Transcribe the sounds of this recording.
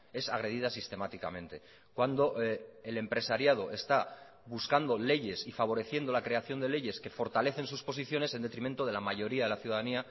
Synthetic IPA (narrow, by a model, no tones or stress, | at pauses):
e̞saɣɾe̞ðiðasist̪e̞mat̪ika̰mẽ̞nt̪e̞ | kwand̪o̞ʔele̞mpɾe̞saɾjað̞o̞ʔe̞st̪a | βuskand̪o̞le̞ʝe̞sifaβ̞o̞ɾe̞θje̞nd̪o̞lakɾe̞aθjo̞nd̪e̞le̞ʝe̞ske̞fo̞ɾt̪ale̞θensuspo̞siθjo̞ne̞send̪e̞t̪ɾiment̪oðe̞lamaʝo̞ɾiaðe̞laθjuðaðania